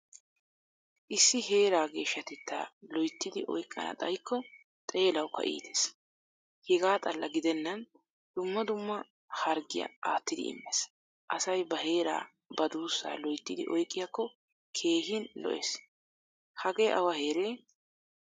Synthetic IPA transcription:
ʔɪsːɪɦe̞ːɾaːɡe̞ːʃːɐt̪ɛt̪ːa̰ːlɔjt̪ːɪd̪ɪʔɔ̰jkʼːɐ̰nɐ̰t̪ʼɐjkʰːɔ | t̪ʼe̞ːlɐwkʰːɐ̰ʔḭːt̪ʰe̥s | hɛɡaːt̪ʼɐlːɐɡɪd̪ɛnːɐn | d̪̥ʊmːɐd̪ʊmːɐ | hɐɾɡɪ̰jɐ̰aːt̪ːɪd̪ɪ̰ɪ̰mːes | ʔɐsɐjbɐhe̞ːɾa̰ː | bɐd̪uːsːa̰ːlɔjt̪ːɪd̪ɪ̰ʔɔjkʼːɪjakːɔ | kʰe̞ːɦɪnlɔ̰ʔḛs | hɐɡe̞ːʔɐ̰wɐhe̞ːɾeː

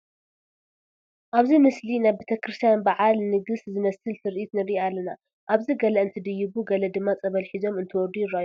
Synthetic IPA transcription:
ʔaβzimɨslinaβbet̪ʰɐkɾɨst̪ʰijanbaʕalnɨɡɨszɨmɐsɨlt̪ʰɨɾʔit̪nɨɾialːɐna | ʔaβziɡɐlɐɨnt̪ʰɨd̪ɨjːɪβuɡɐlɐd̪ɨmːat͡sʼɐβɐlħizo̞mɨnt̪ʰɨwɔd̪ujɪɾajo

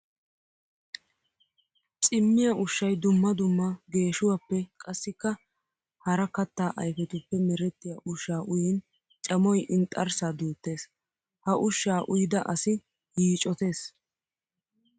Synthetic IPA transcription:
t͡sʼɪmːɪjɐʔʊʃːɐjd̪ʊmːɐd̪ʊmːɐɡe̞ːʃʊwɐpːɛkʼɐsːɪkːɐ | hɐɾɐkɐt̪ːaːʔɐjfɛt̪ʊpːɛmɛɾɛt̪ːɪjaʔʊʃːaːʔʊjɛn | t͡ʃʼɐmɔjʔɪnt̪ʼːɐɾsaːd̪uːt̪ːe̞ːs | hɐʔʊʃːaːʔʊjɪd̪ɐʔɐsɪ | hiːt͡ʃʼːɔt̪e̞ːs

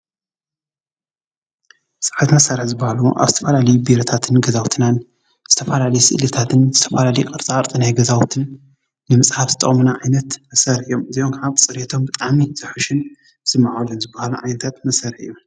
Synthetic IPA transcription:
sʼɨ̥ħat̪mɐsaɾɨħzɨbːahaluʔa̰βzɨt̪ʰɐfɐlalɐjubiɾɐt̪ʰat̪ʰɨnɡɐzawt̪ʰɨnan | z̥ɨt̪ʰɐfɐlalɐjusɨ̰ʔlɨt̪ʰat̪ʰɨnzɨt̪ʰɐfɐlalɐjukʼɨɾt͡sʼaɾt̪ʼɨnajɡɐzawt̪ʰɨnː | ɨmɨsʼhafzɨt̪ʼːɐ̰χʼmɨnaʕajnɐt̪mɐsɐɾɨjomɨziʔomkʕaβsʼɨɾet̪ʰo̞mbɨt̪ʼaʕmiz̥ɨħuʃɪn | sɨmːaʕawlɐnzɨbːahaluʕajnɐt̪ʰat̪mɐsɐɾħɨju

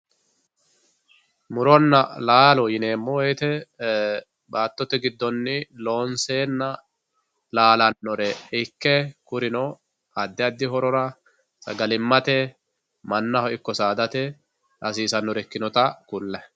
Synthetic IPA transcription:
mʊɾɔnːɐlaːlɔjɪne̞ːmːɔwɔjt̪ɛ | baːt̪ːɔt̪ɛɡɪd̪ːɔnːɪlo̞ːnseːnːɐ | laːlɐnːɔɾɛɪkːɛkʊɾɪnɔ | ɐd̪ːɪɐd̪ːɪɦɔɾɔɾɐ | sʼɐ̰ɡɐlɪmːɐt̪ɛ | mɐnːɐhɔʔɪkːɔsaːd̪ɐt̪ɛ | ʔɐsiːsɐnːɔɾɛkːɪnɔt̪ɐkʊlːɐ

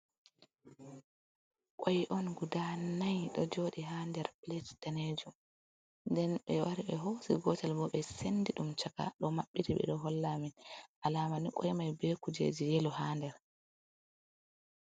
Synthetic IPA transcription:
kʼɔjʔɔnɡudanajɗɔd͡ʒoɗiɦandɛɾpletd̥aned͡ʒum | ndɛnɓɛwaɾiɓɛɦosiɡɔtalbɔɓɛsenːdiɗumt͡ʃaka̰ɗɔmaɓːitiɓɛ̰ɗɔɦɔlːaminʔalaːmanikʼɔjmajbɛkud͡ʒḛd͡ʒijɛluhaːndɛɾ

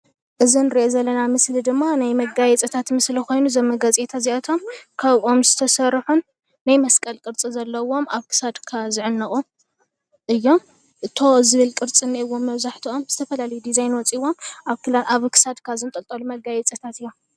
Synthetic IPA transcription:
ʔɨzinɨɾiʔezɐlːɐnamɨslid̪ɨmːanajmɐɡajɛt͡sʼɐt̪ʰat̪mɨsliko̞jnuzɐmːɐɡɐt͡sʼet̪ʰaziʔɐt̪ʰo̞mkʰaβʔo̞mzɨt̪ʰɐsɐɾħunː | ajmɐskʼɐlkʼɨɾt͡sʼizɐlːɐwo̞maβkʰɨ̥sad̪kʰazɨʕɨnːɨχʼu | ʔɨjːo̞m | ʔɨt̪ʰo̞zɨβɨlkʼɨɾt͡sʼinːiɨwːo̞mːɐβzaħt̪ʰiʔo̞mzɨt̪ʰɐfɐlalɐjud̪izajnwɔt͡sʼiwːo̞mʔaβkɨlaʔaβkʰɨ̥sad̪kʰazɨnt̪ʼɐlt̪ʼɐlumɐɡajɛt͡sʼɐt̪ʰat̪ɨjːo

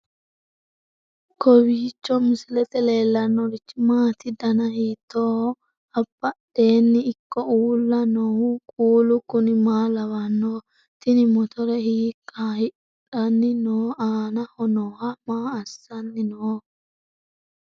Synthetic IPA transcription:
kʰɔwiːt͡ʃːɔmɪsɪlɛt̪ɛle̞ːlːɐnːɔɾɪt͡ʃːmaːt̪ɪd̪ɐnɐhiːt̪ːoː | ɐbːɐɗe̞ːnːɪːkːɔuːlːɐnɔʊkʼuːlʊkʊnɪmaːlɐwɐnːoː | t̪ɪnɪmɔt̪ɔɾɛhiːkʼːahɪ | ᶑɐnːɪnoːʔaːnɐhɔnɔːhɐmaːɐsːɐnːɪnoː

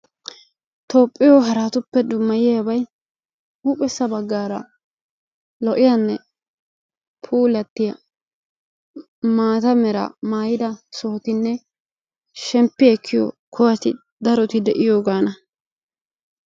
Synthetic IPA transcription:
t̪o̞ːpʼːɪjoɦɐɾaːt̪ʊpːɛd̪ʊmːɐjɪjabɐj | uːpʼɛsːɐbɐɡːaːɾɐ | lɔʔɪjɐnːɛ | pʰuːlɐt̪ːɪjɐ | maːt̪ɐmɛɾɐ̰maːjɪd̪ɐsoːt̪ɪnːɛ | ʃɛmpːɪɛkːɪjo̰kʰɔwɐt̪ɪ̰ | d̪ɐɾɔt̪ɪd̪ɛʔɪjo̞ːɡaːnɐ

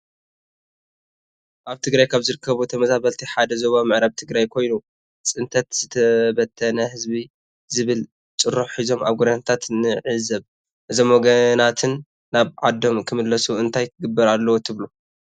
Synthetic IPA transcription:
ʔaβt̪ʰɨɡɾajkʰaβzɨɾɨkʰːɐβut̪ʰɐmɐzaβɐlt̪ʰiħad̪ɐzo̞βamɨʕɾaβt̪ʰɨɡɾajkʰo̞jnu | sʼɨnt̪ʰɐt̪z̥ɨt̪ʰɐbɐt̪ʰːɐnɐhɨzbi | zɨβɨl | t͡ʃʼɨrːuħħizo̞ma̰βɡod̪anat̪ʰat̪nɨʕɨzɐβ | ʔɨzomwɔɡɐnat̪ʰɨnː | aβʕad̪o̞mkʰɨmɨlːɐsuɨnt̪ʰajt̪ʰɨɡɨbːɐɾalːɐwot̪ʰɨβlu

